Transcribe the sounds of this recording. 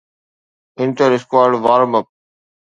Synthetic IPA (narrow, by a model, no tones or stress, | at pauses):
ɪ̃nʈəɾɪskwaːɾɖʋaːɾməp̚